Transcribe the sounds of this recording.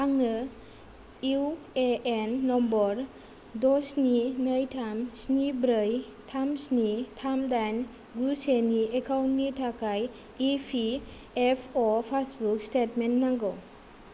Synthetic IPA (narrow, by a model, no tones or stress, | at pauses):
aŋnɯ | iw | eenːɔmbɔɾ | dɔsninəjtʰamsnibɾɯj | tʰamsnitʰamdan | ɡuseniekʰawntnitʰakaj | ipʰi | epʰopʰasbukstetmenːaŋɡɔw